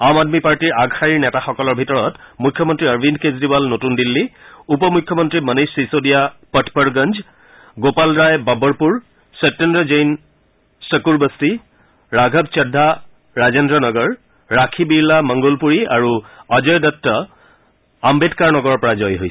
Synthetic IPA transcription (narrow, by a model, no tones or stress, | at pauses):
amadmipaɹtiɹaɡhaɹiɹnɛtaxɔkɔlɔɹbʱitɔɹɔtmujkʰːjɔmɔntɹiəɹbʱinkezɹibalnotundilːiupɔmukʰːjɔmɔntɹimənesisodijapɔtʰpɔɹɡənd͡ʒ | ɡopalɹajbabɔɹpuɹ | sep̚tendɹɔzejn | səkuɹbəsti | ɹaɡʱɔbt͡ʃɛdʱːa | ɹazendɹɔnɔɡɔɹː | akʰibiɹlamɔŋɡolpuɹia̰ɹuazɔjdɔtːɔ | ambetkaɹnɔɡɔɹɔɹpɔɹazɔjɦojs